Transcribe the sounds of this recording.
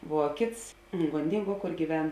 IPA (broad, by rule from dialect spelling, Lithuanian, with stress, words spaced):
ˈʋuɔ ˈkʲeːts ɡoːnʲˈdʲɪŋˌɡuɔ ˈkoːr ɡʲiːˈʋʲɛn